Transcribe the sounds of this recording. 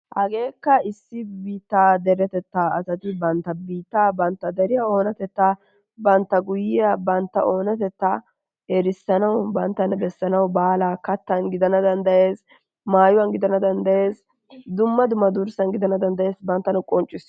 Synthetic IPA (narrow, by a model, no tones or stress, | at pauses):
hɐɡe̞ːkːɐɪsːɪbiːt̪ːaːd̪ɛɾɛt̪ɛt̪ːaːɐsɐt̪ɪbɐnt̪ːɐbiːt̪ːaːbɐnt̪ːɐd̪ɛɾɪjɐo̞ːnɐt̪ɛt̪ːa | bɐnt̪ːɐɡʊjɪjɐbɐnt̪ːɐ̰ʔo̞ːnɐt̪ɛt̪ːɐ | ɛɾɪsːɐnɐwbɐnt̪ːɐnbɛsːɐnɐwbaːlakɐt̪ːɐnɡɪd̪ɐnɐd̪ɐnd̪ɐje̞ːs | maːjʊwɐnɡɪd̪ɐnɐd̪ɐnd̪ɐje̞ːs | d̪ʊmːɐd̪ʊmɐd̪ʊɾsɐnɡɪd̪ɐnɐd̪ɐnd̪ɐje̞ːsbɐnt̪ːɐnʊkʼɔnt͡ʃʼːɪs